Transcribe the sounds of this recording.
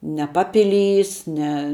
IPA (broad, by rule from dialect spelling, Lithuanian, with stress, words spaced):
nʲɛ ˈpɑːpʲɪˌlʲiːs nʲɛ